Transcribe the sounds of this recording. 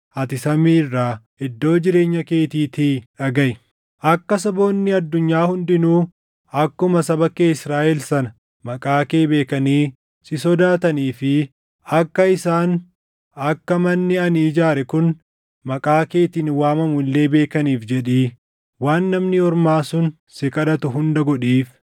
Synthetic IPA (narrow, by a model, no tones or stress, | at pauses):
ʔɐt̪ɪsɐmiːrːaː | ɪd̪ːo̞ːd͡ʒɪɾe̞ːɲːɐke̞ːt̪iːt̪iᶑɐɡɐjɪ | ʔɐkːɐs̬ɐbo̞ːnːɪɐd̪ːʊɲːaːhʊnd̪ɪnuː | ɐkːʊmɐsɐbɐkeːɪsɾaːʔɛlsɐnɐ | mɐkʼaːke̞ːbe̞ːkɐniː | sɪsɔd̪aːt̪ɐniːfɪ | ɐkːɐɪsaːn | ɐkːɐmɐnːɪɐnːd͡ʒaːɾɛkʊn | mɐkʼaːke̞ːt̪iːnwaːmɐmʊlːe̞ːbe̞ːkɐniːfd͡ʒɛᶑiː | waːnːɐmnɪɔɾmaːsʊn | sɪkʼɐᶑɐt̪ʊɦʊnd̪ɐɡɔᶑiːf